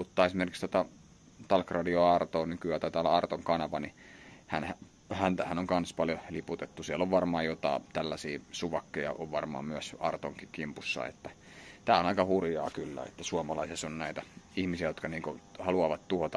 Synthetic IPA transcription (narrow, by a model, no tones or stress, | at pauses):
ut̪ːɑːesimerkikst̪ot̪ɑ | t̪ɑlkrɑdioɑrt̪oːnykyæːt̪æt̪æːlːæɑrt̪oŋkɑnɑʋɑnihænhæ | hænt̪æhænoŋkɑnspɑljoliput̪et̪ːusiɛlːoʋʋɑrmɑːjjot̪ɑ̰ˑːt̪ælːæsiːsuʋɑkːejɑ̰ʔoʋʋɑrmɑ̰ːmyæsɑrt̪oŋkikimpusːɑ̰ḛt̪ːæ | t̪æːonɑikɑhurjɑ̰ːkylːæ̰ḛt̪ːæsuɑmɑlɑisesonnæit̪æihmisiæjot̪kɑniːŋkohɑluɑʋɑt̪t̪uhot̪ɑ